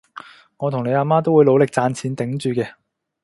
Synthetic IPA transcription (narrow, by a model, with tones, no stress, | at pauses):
ŋɔ˨˧t̪ʰʊ˨˩ŋne˨˧jaː˧maː˥t̪̬o˥wuː˨˧lo˨˧wlɪ˨k̚t͡saː˧nt͡sʰiː˨˥nt̪ɪ˨˥ŋt͡ʃyː˨˧kɛː˧